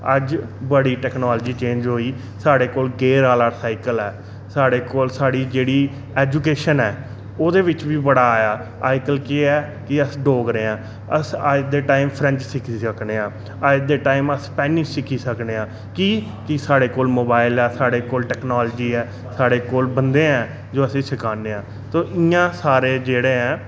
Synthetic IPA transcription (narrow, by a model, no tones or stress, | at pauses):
əd͡ʒbəɽiːʈɛːknaːld͡ʒiːt͡ʃẽːd͡ʒɦoːiː | saːɽeːkoːlɡeːɾaːlaːɾsaːɪkəlɛː | saːɽeːkoːlsaːɽiːd͡ʒeːɽiː | ɛːd͡ʒukeːʃənɛː | oːd̪eːʋɪt͡ʃʋiːbəɽaːjaː | aːɪkəlkeɛː | kɪəsɖoːɡɾeːãː | əsad̪eːʈaːɪmpʰɾɛ̃ɲt͡ʃsɪkʰisəkneːãː | ad̪eːʈaːɪməspɛːnɪʃsɪkʰːiːsəkneːãː | kiː | kɪsaːɽeːkoːlmoːbaːɪlɛːsaːɽeːkoːlʈɛːknɔːld͡ʒiːɛː | saːɽeːkoːlbənd̪eːɛ̃ː | d͡ʒoːəsĩːsɪkaːneːãː | t̪oːʔɪjãːsaːɾeːd͡ʒeːɽeːɛ̃ː